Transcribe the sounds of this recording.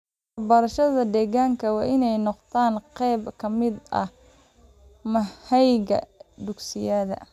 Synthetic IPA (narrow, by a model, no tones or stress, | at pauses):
wwɐrbɐɾɐʃɐðɐd̪ɛːɣaːŋkʰɐwɑːʔɪnɛjnɔqt̪ʰaːnqɛjbkʰɐmɪd̪ʔɐ̰ | mɐhɛjɣɐ̰d̪ʊɡsɪjɐðɐ̰